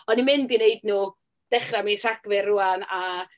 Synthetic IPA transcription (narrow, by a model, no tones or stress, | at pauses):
ɔnimɪndineɨdnuː | d̥ɛχramitʰr̥aɡ̥vɪrʊana